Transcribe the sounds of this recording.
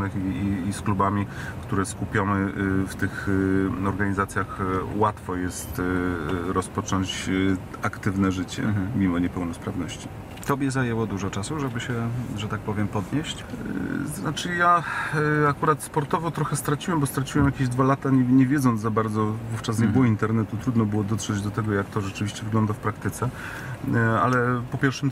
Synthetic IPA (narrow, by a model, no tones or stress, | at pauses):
nɘxiːsklubamʲi | kt̪uɾɛskupʲjɔmɘft̪ɘxɔɾɡaɲizat̪sʲjaxwat̪fɔjɛst̪ | ɾɔspɔt͡ʂɔɲt͡ɕakt̪ɘvnɛʐɘt͡ɕɛ̰mʲimɔɲɛpɛwnɔspɾavnɔɕt͡ɕi | t̪ɔbʲjɛzajɛwɔd̪uʐɔt͡ʂasuʐɛbɘɕɛʐɛt̪ak̚pɔvʲjɛmpɔd̪ɲeɕt͡ɕznat͡ʂɘja | akuɾat̪spɔɾt̪ɔvɔt̪ɾɔxɛst̪ɾat͡ɕiwɛmbɔst̪ɾat͡ɕiwɛmjakʲeʑd̪valat̪aɲɛɲɛvʲjɛd̪zɔnd̪zabaɾd̪zɔvuft͡ʂasɲɛbɨwɔint̪ɛɾnɛt̪ut̪ɾud̪nɔbɘwɔd̪ɔt̪ʂɛd͡ʑd̪ɔt̪ɛɡɔjak̚t̪ɔʐɛt͡ʂɘvʲiɕt͡ɕɛvɘɡlɔnd̪afpɾakt̪ɘt̪sɛ | a̰lɛpɔpʲjɛɾfʂɛ